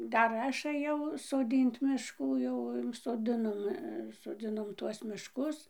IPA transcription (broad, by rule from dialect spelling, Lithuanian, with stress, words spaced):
ˈdɐr ˈɐʃ ɘˈjɛʊ soːˈdʲiːnt mʲɪʃˈkuː jɛʊ soːˈdʲɪnoːm soːˈd͡zʲɪnoːm ˈtuɔs mʲɪʃˈkʊs